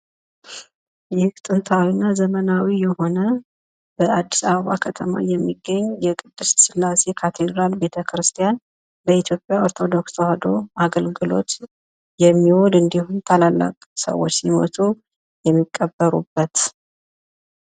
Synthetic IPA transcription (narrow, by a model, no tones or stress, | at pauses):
jɛhɨkt̪ʼɨnt̪ʰawinːazəmənawijɛho̞nə | b̥əad̪ːisaβəβakʰət̪ʰəma̰jɛmːiɡːəɲːjɛkʼɨd̪ːɨssɨlːase̞kʰat̪ʰe̞d̪ɾalbe̞t̪ʰəkɾɨst̪ʰijan | bəit̪ʰjo̞pʼjao̞ɾt̪ʰo̞d̪o̞ksohad̪o̞aɡəlɡɨlo̞̰t̪ | jɛmːiwod̪ɨnd̪ihunt̪ʰəlalːa̰kʼsə̰wːot͡ʃːsimo̰t̪ʰu | jɛmːikʼːəbːəɾṵbːət̪